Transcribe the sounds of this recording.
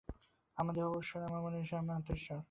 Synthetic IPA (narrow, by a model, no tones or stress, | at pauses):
amad̪eɾɔboʃːonamamoneʃamap̪eʃa